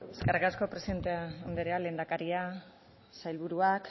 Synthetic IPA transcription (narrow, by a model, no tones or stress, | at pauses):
eskerkasko̞pɾe̞sient̪eaond̪eɾealend̪akaɾia | sajlβuɾuak